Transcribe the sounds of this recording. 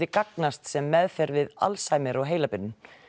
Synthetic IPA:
ɪkaknast̪sɛmːɛðfɛɾvɪða̰lsajmɪɾaɣɦeːjlapʏnːʏm

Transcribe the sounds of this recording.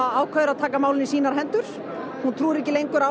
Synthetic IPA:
aaːwkʰœðʏɾaðt̪ʰaːkamaːwlɪnisiːnaɾ̥ɦɛnt̪ʏɾ̥ | hunt̪ʰɾuːðɪɾɛhcɪlejŋkʏɾa

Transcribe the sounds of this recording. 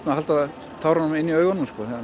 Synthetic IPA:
t̪ahalt̪a | t̪ʰaːwɾanːʊmɪnːiœːɥɣɔnʏmskɔθɛ

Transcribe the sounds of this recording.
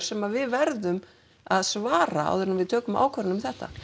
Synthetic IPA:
ɾ̥sɛmavɪðvɛɾðʏm | aðsvaːɾaa̰wðɛɾnmvɪðt̪ʰœːkʏma̰ːwkʰvɛɾʏnʏmθɛht̪a̰

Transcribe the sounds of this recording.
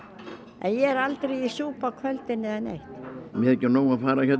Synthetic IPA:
ɛ̰njɛɛɾalt̪ɾejisuːpakʰvœlt̪ɪnɪðɛnḛjht̪mjɛɛcːɪɾnoːwafaːɾaçɛt̪

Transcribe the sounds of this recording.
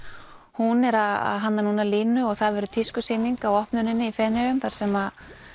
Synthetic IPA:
hunɛɾaða̰ðɦanːanuːnalɪːnːʏɔɣθaðvɛːɾʏt̪ʰɪskʏseːniŋkawɔhpnʏnɪnːɪifɛnɛvʏmθaɾ̥sɛma

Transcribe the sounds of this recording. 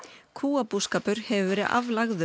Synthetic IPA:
kʰuːapuskaːpʏɾ̥hɛvʏvɛːɾɪðʔa̰vlaɣðʏ

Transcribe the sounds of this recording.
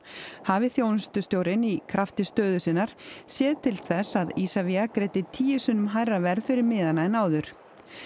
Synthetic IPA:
haːvɪθjownst̪ʏst̪joːwɾɪnikʰɾaft̪ɪst̪œːðʏsɪnːaɾ̥sjɛːðt̪ʰɪlθɛsaðisaviakɾejt̪ɪt̪ʰiːjɪsʏnːʏmɦajɾavɛɾðfɪɾɪɾmɪːðanaɛnaːwðʏɾ̥

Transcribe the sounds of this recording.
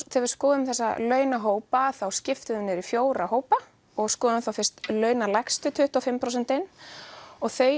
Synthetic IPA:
θɛvɪɾ̥skɔːðʏmθɛsːa̰lœːɥnaɦoːwpaθawscɪft̪ʏðʏmnɛɾifjoːwɾaɦoːwpa | ɔɣskɔːðʏmθawfɪr̥st̪lœːɥnalajkst̪ʏt̪ʰʏht̪ɔfɪmpʰɾows̬ɛnt̪ɪn | ɔɣθœj

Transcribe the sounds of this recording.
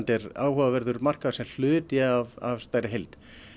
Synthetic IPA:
nt̪ɛɾaːwhœːvavɛɾðʏɾmar̥kaðḁɾsɛml̥ʏːt̪avavst̪aːjɾɪɦejlt̪

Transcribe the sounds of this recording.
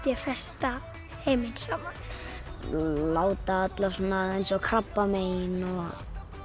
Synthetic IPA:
t̪jɛfɛ̥st̪a | hejmɪnsama | laːwt̪aat̪lḁsɔnːaejnsɔɣkʰɾapːameːjnɔɣ

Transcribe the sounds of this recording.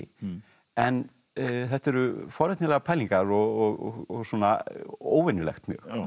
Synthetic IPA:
ɪ | ɛn | θɛht̪ɛɾʏfɔɾɛt̪nɪlɛɣapʰɛliŋkaɾɔɣɔɣɔ̰ɣɔɣsuɔːnao̰ːwvɛnʏlɛ̰xt̪mjœ̰ːx

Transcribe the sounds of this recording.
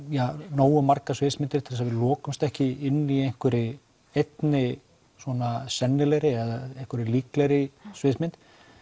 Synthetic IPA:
janoːwʏmaɾkasveːsmɪnt̪ɪɾ̥t̪ʰɪs̬avɪlɔːkʏmst̪ɛhcɪɪnːiejŋ̥kʰvʏɾɪ | ejt̪nɪ | swɔnasɛnːɪlɛjɾɪɛðaejŋ̥kʰvʏɾɪliːklɛɾɪsveːsmɪnt̪

